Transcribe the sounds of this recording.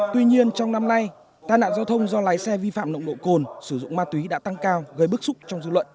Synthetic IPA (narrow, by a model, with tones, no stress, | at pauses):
t̪wi˧ɲi˧ənt͡ɕɔ˧wŋ͡mna˧mna˧j | t̪aː˧jna̰ː˧˨nza˧wt̪ʰə˧wŋ͡mzɔ˧laː˨˦jsɛ˧vi˧fa̰ː˧˨mnə̰˧˨wŋ͡mɗo̰˧˨ko˨˩nsɨ˧˩zʊ̰˧˨ŋ͡mmaː˧t̪wi˨˦ɗa̰ː˧˥t̪a˧ŋkaː˧wɣə˨˧˩jɓɨ˦˥ək̚sʊ˦˥k͡p̚t͡ɕɔ˧wŋ͡mzɨ˧lwə̰˧˨n